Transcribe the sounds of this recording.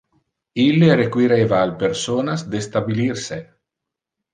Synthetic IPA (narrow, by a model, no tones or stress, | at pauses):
ilːeɾekwiɾeːvaːlpersoːnasd̪est̪abilirse